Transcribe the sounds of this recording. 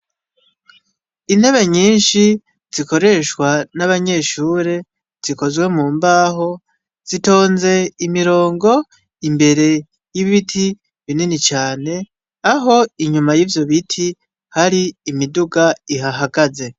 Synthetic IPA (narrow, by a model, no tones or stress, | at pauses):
in̥he̞βe̞ɲiːnʃi | z̥iko̞ɾe̞ʃkwanaβaɲe̞ʃuːɾe̞ | z̥iko̞zɡwe̞muːmbaːɦo̞ | z̥ito̞ːnze̞imiɾo̞ːŋɡo̞ | imbe̞ɾe̞ | jiβiβitʰi | βininit͡ʃaːne̞ | aɦo̞iɲumajiːvjo̞βitʰi | haɾiːmiduɡaiɦaɦaɡaze̞